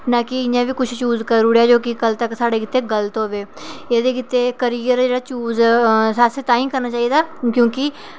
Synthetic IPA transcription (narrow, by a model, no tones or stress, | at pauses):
naːkɪɪãːbiːkʊt͡ʃʰt͡ʃuːzkəɾuɽjaːd͡ʒoːkɪkəlt̪əksaːɽeːkɪt̪ːeːɡələt̪ɦoːʋeː | eːd̪eːkɪt̪ːeːkəɾijəɾd͡ʒeːɽaːt͡ʃuːzsaset̪ãːĩːkəɾnaːt͡ʃaːied̪aːkjõːkɪ